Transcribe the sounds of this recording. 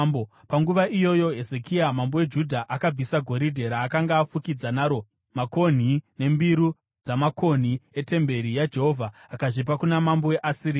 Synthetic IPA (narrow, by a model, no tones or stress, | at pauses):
bo | paŋɡuʋaʔijo̞jo̞ɦe̞ze̞kiamambo̞we̞d͡ʒudʱaʔakab͡visaɡʱo̞ɾidʱe̞ɾaːkaŋɡaːfukid͡zanaɾo̞ | mako̞n̤ine̞mbiɾu | d͡zamako̞n̤ie̞te̞mbe̞ɾijad͡ʒe̞ɦo̞vʱaːkaʐip̬akunamambo̞eʔasiri